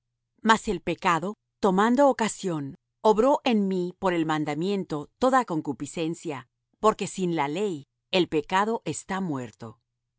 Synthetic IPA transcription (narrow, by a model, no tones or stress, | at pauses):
mase̞lpe̞kaðo̞ | t̪o̞mãnd̪o̞ːkasjo̞n | oβɾo̞ʔe̞nmipo̞ɾe̞lmãnd̪amjẽ̞nt̪o̞t̪o̞ðako̞ŋkupise̞nsja | po̞ɾke̞sinlale̞j | e̞lpe̞kaðo̞ʔe̞st̪amwe̞ɾt̪o̞